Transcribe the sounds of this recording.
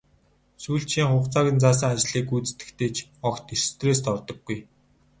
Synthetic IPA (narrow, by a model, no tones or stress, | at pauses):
suːɬt͡ɕiːŋχʊːχt͡saːɣʲĭnt͡saːs̬ə̆ŋat͡ɕɮ̥iːkujt͡sɘ̥t̪ɘ̥̆kt̪ʰeːt͡ɕʰɔkt̪er̥t̪ʰreːs̬t̪ʰɔrt̪ɞ̆ɡːuj